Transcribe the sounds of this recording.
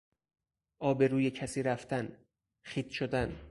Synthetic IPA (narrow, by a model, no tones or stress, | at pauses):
ʔɒːbeɾuːjecʰæsiːɾæft̪æn | xiːt̪ʃod̪æn